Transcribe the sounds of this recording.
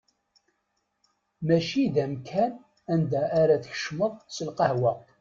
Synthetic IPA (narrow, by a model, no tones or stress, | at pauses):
mæʃiðæmkʰæn | ænd̪æʔːɾæθəçə̥ʃməðˤsəlqɑhwæ